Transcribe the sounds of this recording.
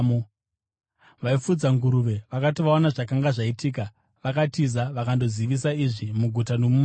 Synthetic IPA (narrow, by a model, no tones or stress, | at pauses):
o | ʋaifud͡zaŋɡuɾuʋe̞ʋakatiʋaonaʐakaŋɡaʐaitiːka | ʋakatizaʋakando̞ziʋis̬aiʐimuɡʱutano̞mum